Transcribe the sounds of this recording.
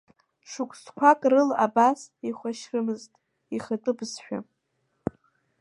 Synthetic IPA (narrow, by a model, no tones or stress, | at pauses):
ʈ͡ʂʷʰʊkʷʰʼskʷʰakʼrɨla̰basiχʷaʃrɨmɨztʼ | iχatʼɨbsħᶣa̰